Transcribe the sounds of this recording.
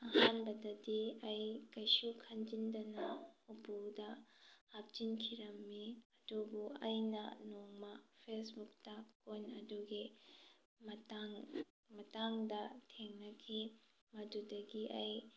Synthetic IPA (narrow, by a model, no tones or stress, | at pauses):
ahanbɐdɐdiɐjkɐjsukʰɐnd͡ʒindɐnɐubudɐhak̚d͡ʒinkʰiɾɐmːiɐdubuʔɐjnɐ̰noŋmapʰesbuk̚takojnɐduɡi | mɐtaŋ | mɐtaŋdɐtʰeŋnɐkʰi | mɐdudɐɡiʔɐj